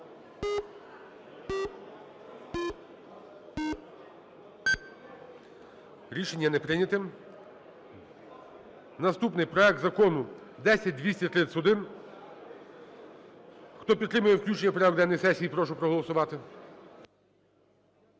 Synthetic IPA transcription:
ɾʲiʃe̞nʲːɐnɛpɾɪnʲɐt̪ɪm | nɐst̪upnɪjpɾɔɛk̚t̪zɐkɔnʊ | d̪ɛsʲɐt̚ʲd̪ʲʋʲisʲtʲɐt̪ɾɪsʊd̪ɪn | xt̪ɔpʲit̪t̪ːɾɪmʊjɛwklʲut͡ʃenʲːɐpɾɐd̪ɛnːɔjsɛsʲijipɾɔʃ̬ʊpɾɔɦɔlˠɔsʊʋɑt̪ɪ

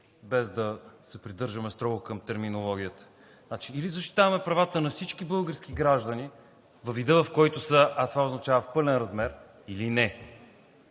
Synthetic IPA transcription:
bɛzd̪ɐsɛpɾid̪ɤɾʒəmɛst̪ɾɔɡʊkəmt̪ɛɾminolˠɔɡʲiət̪ə̥ | nat͡ʃiːlizɐʃt̪i̥t̪avɐmɛpɾɐvat̪ənɐfsit͡ʃkibɤlˠɡəɾsk̟iɡɾaʒd̪əni | vɐvid̪əvɐfkɔjt̪osəʔɐt̪vaoznɐt͡ʃavəfpɤlɛnɾɐzmɛɾ | ilinɛ

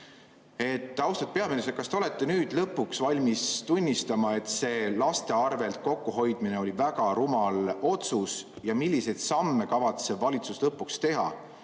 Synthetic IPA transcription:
e̞t̪ːˑɑwst̪ɑt̪̚pe̞ɑmenes̬ekɑst̪e̞o̞le̞t̪ːe̞nyːd̪̥lɤpːˑuksvɑlʲmist̪unʲːist̪ɑmɑe̞t̪se̞ːlɑst̪e̞ɑrve̞lt̪̚ko̞kːuɦo̞jd̪̥mine̞o̞lʲivæɡɑɾumɑlo̞t̪sus | jɑmilʲːise̞jd̪̥sɑmːe̞kɑvɑt̪sevɑlʲit̪suslɤpːˑukst̪e̞ɦɑ̰

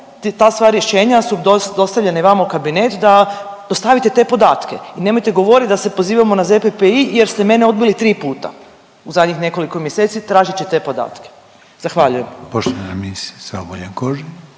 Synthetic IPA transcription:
t̪t̪aːst̪ʋaːɾjeʃe̞ːɲasud̪od̪o̞st̪aʋʎeneʋamaukabine̞t̪d̪ad̪o̞st̪aʋit̪e̞t̪e̞po̞d̪aːt̪ke̞̰ine̞mojt̪e̞ɡo̞ʋo̞ɾit̪d̪ase̞po̞ziːʋamo̞nazepepeijeɾst̪e̞me̞neo̞d̪̚bilit̪ɾiːpuːt̪a̰ | uzad̪ɲixne̞ko̞likomjeseːt̪sit̪ɾaːʒit͡ɕet̪e̞ːpo̞d̪a̰ːt̪ke̥ | z̥axʋaʎuje̞mpoʃt̪oʋanaɾemisisa̰oboʎaŋkoʒi

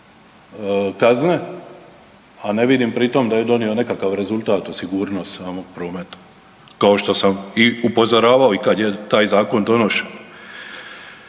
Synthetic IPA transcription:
kazne̞ | ane̞ʋid̪impɾit̪omd̪aje̞d̪o̞nio̞ne̞kakaʋɾe̞zulˠʲt̪aːt̪usiɡuːɾno̞st̪saːmoɡ̚pɾo̞ːmet̪ḁ | kao̞ʃt̪o̞samiupo̞zo̞ɾaːʋaoikad̪je̞t̪aːjzaːko̞nd̪o̞no̞ʃio

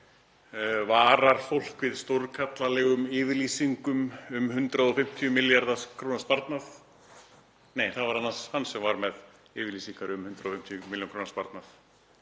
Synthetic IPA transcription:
vaːɾaɾ̥fowl̥kvɪðst̪oɾkʰat̪lalɛɣʏmɪːvɪɾlisiŋkʏmʏmhʏnt̪ɾaðɔfɪm̥t̪ʰjʏmɪljaɾðakʰɾuːnaspaɾt̪naf | neːjθaðvaɾanːashanːsɛmvaɾmɛð | ɪːvɪɾlisiŋkaɾʏmhʏnt̪ɾaðɔfɪm̥t̪ʰjʏmɪljonkʰɾuːnaspaɾt̪naf

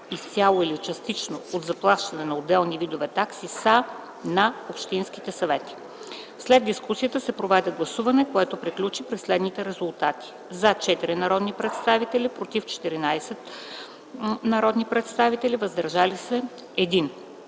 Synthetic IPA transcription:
ist̪ʲalˠoilit͡ʃɐst̪it͡ʃnood̪zɐplˠaʃt̪ɐnɛnɐod̪ɛlˠnivid̪ovɛt̪aksisa | nɐopʃt̪inskit̪ɛsɐvɛt̪i̥ | slɛd̪d̪ːiskusijət̪əsɛpɾovɛd̪ʲɛɡlˠɐsuvɐnɛkoɛt̪opɾiklʲut͡ʃipɾɛslɛd̪nit̪ɛɾɛzʊlˠt̪at̪i̥ | zat͡ʃɛt̪iɾinɐɾɔd̪nipɾɛt̪st̪avit̪ɛlipɾot̪ift͡ʃɛ̥t̪iɾinajsɛt̪ | nɐɾɔd̪nipɾɛt̪st̪avit̪ɛlivəzd̪ɐɾʒalisɛ | ɛd̪in

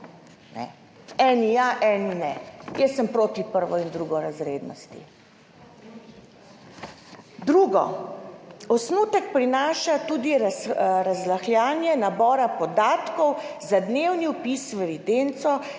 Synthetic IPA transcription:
nɛ̰ | ɛnijaʔɛninɛjɛsəmpɾoːt̪ipəɾʋɔind̪ɾuɡɔɾazɾed̪nɔ̰st̪ḭ | d̪ɾuɡɔ̰ | ɔsnuːt̪əkpɾinaːʃat̪uːd̪iɾaɾazlaxljaːnjɛnabɔːɾapɔd̪aːt̪kɔwzad̪newniɔpisʋɛʋid̪ent̪sɔ

